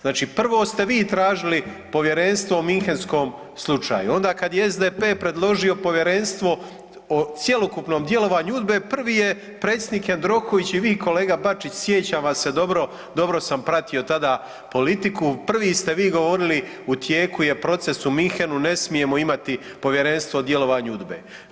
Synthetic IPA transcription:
znaːt͡ʃiːpr̩ʋo̞ːst̪e̞ʋiːt̪ɾaːʒili | po̞ʋje̞ɾe̞nst̪ʋo̞omiŋxensko̞ːm | slˠut͡ʃa̰ːjuo̞nd̪aːkad̪jeezd̪eːpe̞ːpɾe̞d̪lˠo̞ʒio̞po̞ʋje̞ɾe̞nst̪ʋo̞ | ot̪sje̞lokupno̞ːmd̪je̞lo̞ʋaːɲuud̪bepr̩ʋiːje | pɾet̪sjed̪niːkend̪ɾo̞koʋit͡ɕiʋiːko̞le̞ːɡabat͡ʃit͡ɕsjet͡ɕaʋasːe̞d̪o̞bɾo | d̪o̞bɾo̞sampɾat̪io̞t̪ad̪aː | po̞lit̪ikupr̩ʋiːst̪e̞ʋiːɡo̞ʋo̞ɾili | ut̪je̞ːkuje̞pɾo̞t̪se̞sumiŋxenune̞smije̞moimat̪i | po̞ʋje̞ɾe̞nst̪ʋod̪je̞lo̞ʋaːɲuud̪be̞̰ː

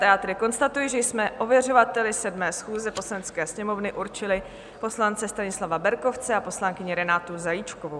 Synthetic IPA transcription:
t̪ɛat̪ɾɪko̞nst̪at̪ujiʒɛjsmɛʔo̞vjɛr̝o̞vat̪ɛlɪsɛdmɛːsxuːzɛpo̞slanɛt͡skɛːsɲɛmo̞vnɪʔuɾt͡ʃɪlɪ | po̞slant͡sɛst̪aɲɪslavabɛɾko̞ft͡sɛapo̞slaŋkɪɲɪɾɛnaːt̪uzajit͡ʃkovow

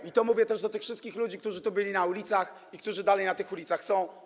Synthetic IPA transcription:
it̪ɔmuvʲjɛt̪ɛʐd̪ɔt̪ɘxfʂɘst̪̚kʲixlud͡ʑikt̪uʐɘt̪ubɘlʲinaulʲit̪sax | ik̚t̪uʐɘd̪alɛjnat̪ɘxulʲit̪saxsɔ̃w̃

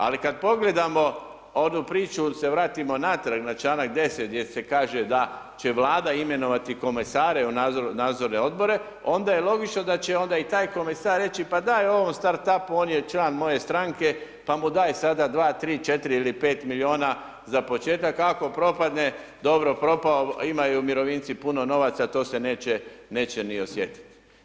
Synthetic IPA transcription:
a̰likad̪̚po̞ɡle̞d̪amo̞ | onupɾiːt͡ʃuse̞ʋɾaːt̪imo̞nat̪ɾaɡnat͡ʃlaːnak̚d̪e̞set̪̚d̪jese̞kaːʒe̞d̪a | t͡ɕe̞ʋlaːd̪aime̞no̞ʋat̪iko̞mesaːɾe̞unanaːd̪zo̞ɾne̞o̞d̪bo̞ɾe̞ | o̞nd̪ajelo̞ɡit͡ʃno̞d̪at͡ɕe̞o̞nd̪ait̪aːjko̞mesaːɾːe̞t͡ɕipad̪ajeo̞ʋo̞mst̪aɾt̪apuo̞ːnjet͡ʃlaːnmo̞je̞st̪ɾaŋke̞ | pamud̪aːjsad̪ad̪ʋaːt̪ɾiːt͡ʃe̞t̪iɾiilipe̞ːt̪milʲio̞ːna | zapo̞t͡ʃe̞ːt̪akako̞pɾo̞pad̪ne̞d̪o̞bɾo̞pɾo̞paoimajumiɾo̞ʋiːnt̪sipuno̞no̞ʋat̪sat̪o̞ːse̞neːt͡ɕene̞ːt͡ɕe̞nio̞sje̞t̪i̥t̪i̥

